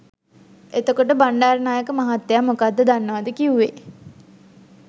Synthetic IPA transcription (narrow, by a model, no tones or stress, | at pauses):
et̪əkoʈəbaɳɖaːɾnaːjəkəmaɦat̪ːejamokad̪ːəd̪anːəʋad̪əkiuʋe